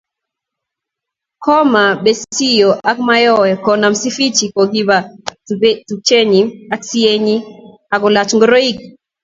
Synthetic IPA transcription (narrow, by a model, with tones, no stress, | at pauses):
kʰɔ˦ma˨be˦ssi˦jo˨ʔa˦kma˦jɔ˦wɛ˨kɔ˨na˨msi˦fi˦t͡ʃi˨kɔ˨ɡi˦ba˨ | tu˨t͡ʃe˦ɲi˨a˦ksi˦e˦ɲi˦ | a˨kɔ˨la˨t͡ʃŋɡɔ˦ɾo˦i˦k̚